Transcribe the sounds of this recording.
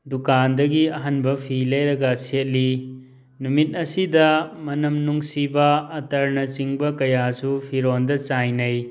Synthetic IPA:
dukandɐɡiɐɦɐnbɐpʰilɐjɾɐɡɐset̚li | numit̚ɐsidɐmɐnɐmnuŋsibɐːtɐɾnɐt͡ʃiŋbɐkɐjasupʰiɾondɐt͡ʃajnɐj

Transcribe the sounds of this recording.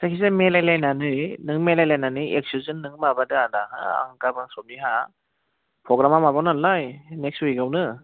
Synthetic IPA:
sakʰizemelajlajnanɯjnɯŋmelajlajnanɯek̚suzɯnːɯŋmabadɯadaha̰a̰ŋkabaŋsɔp̚niɦa | pʰɾɔɡɾamamabawnanlajnekswiɡawnɯ

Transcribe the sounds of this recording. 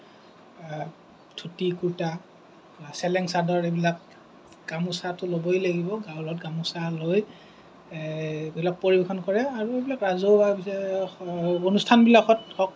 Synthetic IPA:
tʰutikuɹta | sɛlɛŋsadɔɹebilak̚ | ɡ̥amusatʊlobɔjlaɡibɔɡawlɔt̚ɡamusaloj | bilak̚poɹibexʰɔnkɔɹɛaɹuebilakɹazobabi | onustʰanbilakɔtɔk

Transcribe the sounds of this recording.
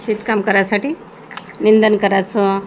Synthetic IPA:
ɕit̪kamkəɾjasaʈiː | nind̪ənkəɾat͡sɔ

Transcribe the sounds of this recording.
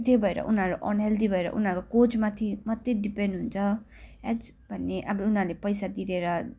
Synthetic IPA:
t̪ebʱʌeɾʌ̰ʔunɦʌɾuʔʌnɦeld̪ibʱʌeɾʌ̰ʔṵnʌɾkokod͡zmat̪ʰimʌt̪ːedipenɖɦunt͡sʰʌ | ɛd͡z | bʱʌnːeʔʌbʌunɦʌɾulepʌjsad̪iɾeɾʌ

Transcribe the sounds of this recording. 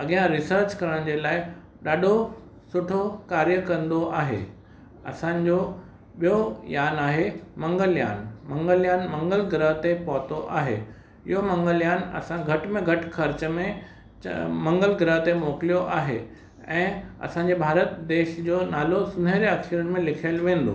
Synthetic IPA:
ɐɠijãɾɪsəɾt͡ɕkɐɾəɽ̃d͡ʑelaːɪ | ɗaːɖʱo | sʊʈʰokaːɾjəkɐ̃nd̪oʔaːɦḛ | ɐ̰sãːɲ̆d͡ʑo | ɓijojaːnaːɦemɐ̃ŋɡəlja̰ːnmɐ̃ŋɡəljaːnmɐ̃ŋɡəlɡɾəɦt̪epɔːt̪oʔa̰ːɦḛː | ɪ̰ɦomɐ̃ŋɡəljaːnɐ̰sãɡʱɐʈmẽɡʱɐʈkʰɐɾt͡ɕəmẽ | mɐ̃ŋɡəlɡɾəɦt̪emoːklijoʔaːɦe | ɛ̃ːɐ̰sãɲ̆d͡ʑebʱaːɾət̪d̪eːʃd͡ʑoːnaːlosʊn̤əɾɐkʃəɾʊñɪ̆mẽlɪkʰlʋẽːn̆d̪o̰ː

